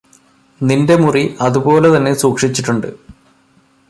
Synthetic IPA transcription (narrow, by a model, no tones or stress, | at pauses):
ninde̞muriʔɐðubo̞ːle̞t̪ɐnːe̞suːkʂit͡ɕːiʈːuɳɖɨ